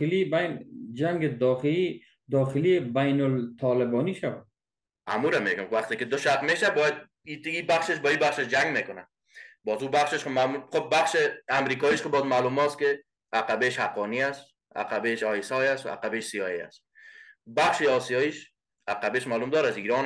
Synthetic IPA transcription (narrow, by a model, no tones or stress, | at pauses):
libajnd͡ʒaŋɡɪd̪ɒxɪli | d̪ɒxɪlibajnʊlt̪ʰɔlɪbɔniʃawa | a̰muɾameɡʊkwaχt̪ɪkɪd̪ʊʃat̪meʃabɔjad̪̚ | it̪ibaχʃɪʃ̬bɔibaχʃɪʃd͡ʒaŋɡmekʊna̰ | bɔzubaχʃɪʃqmamulχob̚baχʃɪamɾikɔiʃqɪbɔzmalumɔskɪ | aqabeʃhaqɔniast̪ | a̰qabeʃɒjɪsɔjast̪a̰qabeʃsijɔea̰st̪̚ | baχʃeɔsijɔiʃ | aqabeʃmalumd̪ɒːɾasiɾɔn